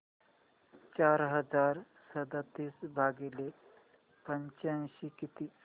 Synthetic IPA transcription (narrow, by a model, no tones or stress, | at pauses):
t͡ɕaɾɦəd͡zaɾ | səd̪at̪iːsbʱaɡele | pəɲt͡ɕãnɕikit̪iː